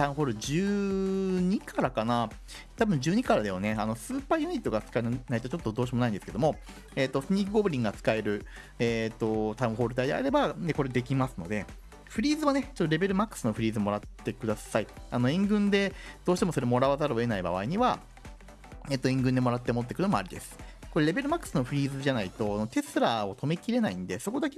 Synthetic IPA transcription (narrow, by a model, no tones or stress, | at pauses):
t̪ãɯ̟̃ɦo̞ːɾɯ̟d͡ʑɨː | ɲ̟ikʰaɾakana | t̪abɯ̟̃ɲ̟d͡ʑɨːɲ̟ikaɾad̪e̞jone̞ano̞sɨːpaːjɯ̟ɲ̟it̪ːo̞ɡat͡sɨ̥kainnait̪o̞t͡ɕot̪ːo̞d̪o̞ːɕ̬imo̞naĩnd̪e̞sɨ̥ke̞d̪o̞mo̞ | eːt̪ːo̞sɨɲ̟ʲiːɡɯɡo̞ːbɯ̟ɾʲĩŋːɡat͡sɨ̥kae̞ɾɯ̟ | eːt̪ːo̞t̪aɯ̟̃ɦo̞ːɾɯt̪̬aid̪ea̰ɾe̞bad̪eko̞ɾe̞d̪e̞kʲimasɨno̞̰d̪e̞ | ɸɯ̟ɾʲiːzɨβanet͡ɕot̪ːoɾe̞be̞ɾɯ̟makːɯ̥sɨno̞ɸɯ̟ɾʲiːzɨomo̞ɾat̪ːe̞kɯ̟d̪asaiano̞ẽ̞ŋɡɯ̟̃nd̪e̞d̪̥o̞ːɕit̪emo̞soɾe̞mo̞ɾaβazaɾɯoe̞naiba̰βa̰iɲ̟iβa | e̞ːt̪ːoẽ̞ŋɡɯ̃nd̪e̞mo̞ɾat̪ːemot̪̬ːekɯ̟nomo̞a̰ɾʲid̪esɨ̥ko̞ɾe̞ɾe̞be̞ɾɯ̟makːɯ̟̥sɨnoɸɯ̟ɾʲiːzɨʑanait̪o̞no̞t̪e̞sɨɾaːot̪o̞me̞kʲiɾe̞naḭ̃nd̪e̞so̞ko̞d̪ake